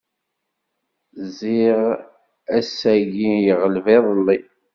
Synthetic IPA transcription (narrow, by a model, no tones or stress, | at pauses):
ziʁ | æsæʝijəʁəlvɪðˤəlːi